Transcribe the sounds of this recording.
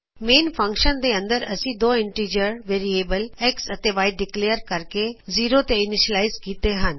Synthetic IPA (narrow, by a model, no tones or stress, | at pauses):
meːnfʰɐ̃ŋkʃənd̪eə̃nd̪əɾɐ̰sĩd̪oːɪ̃ɳʈɾiːd͡ʒəɾʋeːɾieːbəleksɐt̪eʋaːɪɖɪkleːjəɾkɐɾkeziːɾot̪eɪnɪʃəlaːɪzkiːt̪eɦən